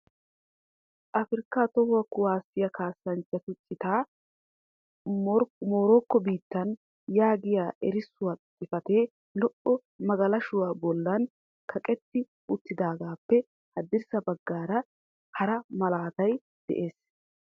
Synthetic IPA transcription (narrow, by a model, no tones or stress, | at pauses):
ʔɐfɪɾkːaːt̪ɔhʊwɐkʊwaːsːɪjɐkaːsːɐnt͡ʃːɐt̪ʊt͡ʃʼːɪt̪aː | ɾmo̞ːɾoːkːɔbiːt̪ːɐn | jaːɡɪjaːʔɛɾɪsːʊwaːt̪ʼːɪfɐt̪eː | lɔʔɔ | mɐɡɐlɐʃʊwaːbɔlːɐn | kʰɐkʼɛt̪ːɪ | ʔʊt̪ːɪd̪aːɡaːpːɛ | hɐd̪ːɪɾsɐbɐɡːaːɾɐ | hɐɾɐmɐlaːt̪ɐj | d̪̥ɛ̰ʔe̞ːs